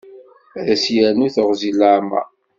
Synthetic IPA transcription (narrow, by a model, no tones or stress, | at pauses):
ðæsjæɾnuθəʁzilaɾma̰